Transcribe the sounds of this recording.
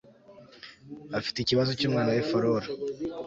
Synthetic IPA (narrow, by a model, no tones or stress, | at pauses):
afi̥teiciβazo̞cuːmŋaːnawefoɾoɾa